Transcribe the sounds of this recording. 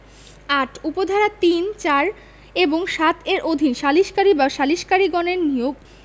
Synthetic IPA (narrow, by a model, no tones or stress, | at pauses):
aʈʰupod̪ʱaɾat̪int͡ɕaɾ | eboŋʃat̪eɾʔod̪ʱinʃaliʃkaɾibaʃaliʃkaɾiɡɔneɾnioɡ